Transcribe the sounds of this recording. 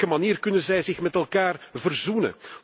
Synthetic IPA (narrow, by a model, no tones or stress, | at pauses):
kəmaniːrkɵnənzɛjzɪxmɛtɛlˠkaːrvərzunə̰